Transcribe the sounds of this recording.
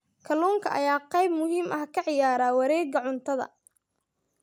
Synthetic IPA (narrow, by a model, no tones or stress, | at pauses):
kʰɐluːŋkʰɐʔɐ̰jaːqɑjbmʊɦiːmʔɐhkʰɐʕɪjaːɾaːwɐɾɛːɡɐʕʊnt̪ʰɐðɐ̰